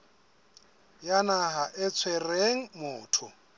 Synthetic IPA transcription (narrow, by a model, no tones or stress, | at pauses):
janaɦaʔɪt͡sʰwɛreŋ̩mʊːtʰʊ